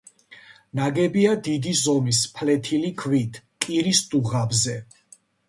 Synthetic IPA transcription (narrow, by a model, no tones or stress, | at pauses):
naɡɛbiad̪id̪izɔmispʰlɛt̪ʰilikʰvit̪ʰkʼiɾisd̪uʁabzɛ